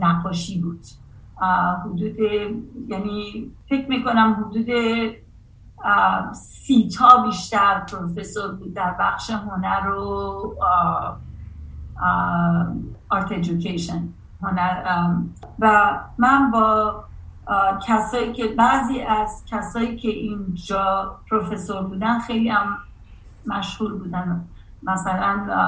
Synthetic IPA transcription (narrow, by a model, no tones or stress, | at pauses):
næqːɒːʃiːbuːd̪̥ | ɦud̪uːd̪ejænifecʰmiːko̞næmɦod̪uːd̪e̞ | siːt̪ʰɒːbiːʃt̪æɾpʰoɾofe̞soɾbuːd̪̚ːæɾbæxʃeɦonæɾo | ɒɾt̪ʰed͡ʒukʰeʃen | ɦonæɾ | væmænbɒː | cʰæsɒːiːcʰe̞bæziːʔæzcʰæsɒːiːcʰe̞ʔind͡ʒɒːpʰɾofeso̞ɾbuːd̪ænxejliːæmː | æʃhuːɾbuːd̪æn | mæsælæn